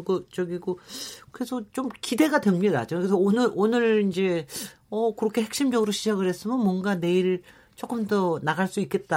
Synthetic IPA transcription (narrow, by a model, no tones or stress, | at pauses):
ɡʌt͡ɕʌɡiɡokɯɾe̞sʰʌt͡ɕomkide̞ɡadwemɲida̰t͡ɕʌkesʰʌonɯɾonɯɾind͡ʑe̞ | ʌkɯɾʌkʰe̞he̞k̚ɕ͈imd͡ʑʌɡɯɾoɕʰid͡ʑaɡɯɭhe̞s͈ɯmjʌnmwʌnɡane̞iɾɯɭ | t͡ɕ͈ok͈ɯmdʌnaɡaɭs͈uik͈e̞t̚t͈a